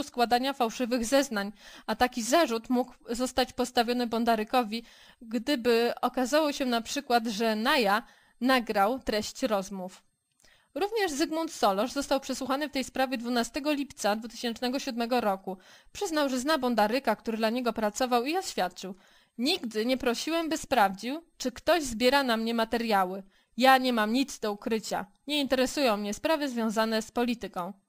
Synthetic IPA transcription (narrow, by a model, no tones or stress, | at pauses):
uskwad̪aɲafawʂɘvɘɣzɛznaɲat̪akʲizaʐut̪muɡzɔst̪at͡ɕpɔst̪avʲjɔnɘbɔnd̪aɾɘkɔvʲi | ɡd̪ɘbɘɔkazawɔɕɛnapʂɘkwad̪ʐɛnaja | naɡɾawt̪ɾɛɕt͡ɕɾɔzmuf | ɾuvɲɛʐzɘɡmunt̪sɔlɔʐzɔst̪awpʂɛswuxanɘft̪ɛjspɾavʲjɛd̪vunast̪ɛɡɔlʲipt̪sad̪vut̪ɘ̥ɕɛnt͡ʂnɛɡɔɕud̪mɛɡɔɾɔkupʂɘznawʐɛznabɔnd̪aɾɘkakt̪uɾɘd̪laɲɛɡɔpɾat̪sɔvawiɔɕfʲjat̪̚t͡ʂɘw | ɲiɡd̪ɘɲɛpɾɔɕiwɛmbɘspɾavd͡ʑiwt͡ʂɘkt̪ɔʑzbʲjɛɾanamɲɛmat̪ɛɾjawɘ | jaɲɛmamɲid̪zd̪ɔukɾɘt͡ɕa̰ | ɲɛint̪ɛɾɛsujɔ̃w̃mɲɛspɾavɘzvʲjɔ̃w̃zanɛspɔlʲit̪ɘkɔ̃w̃